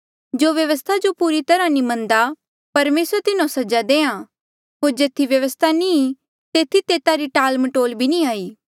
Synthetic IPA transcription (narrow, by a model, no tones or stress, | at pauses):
d͡ʒoːʋjɐʋəst̪ʰad͡ʒopuːɾit̪ɐɾãnĩmɐ̃nd̪a | pɐɾmeːsɾət̪ɪnõsɐd͡ʒad̪eːã | ɦoːɾd͡ʒeːt̪ʰiʋjɐʋəst̪ʰanĩ | t̪eːt̪ʰit̪eːt̪aɾiʈaːlmɐʈoːlbʱinĩaːiː